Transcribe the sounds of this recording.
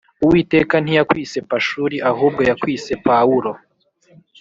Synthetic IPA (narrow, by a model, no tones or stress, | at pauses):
uwiːte̞kan̥hijakwiːse̞paʃuɾiʔaɦuːb̚ɡojakwiːse̞pawuɾo̞